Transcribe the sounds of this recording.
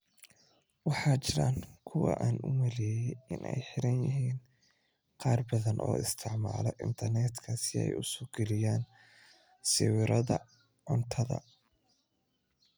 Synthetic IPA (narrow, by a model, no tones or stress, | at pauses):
wɑħɑːt͡ʃɪɾaːŋkʰʊwɑ̰ʔaːnʔʊmɐlɛːjɛʔɪnʔɛ̰jħɪɾɐnjɪɦiːn | qɑːrbɐðɐnʔɔ̰ːɪst̪ʰɪʕmaːlɔʔɪ̰nt̪ʰɐrnɛːt̪kʰɐsɪɛ̰jʊsʊɡɛlɪjaːn | sɪwɪɾɐðɐ | ʕʊnt̪ʰɐðɐ̰